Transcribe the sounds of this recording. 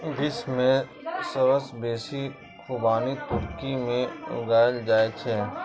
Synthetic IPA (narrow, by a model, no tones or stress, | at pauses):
ɡɪsmẽ | səɾəsbeːsi | kʰubaːnit̪ʊɾkimẽʊ̰ɡaːld͡ʒaːet͡ʃʰeː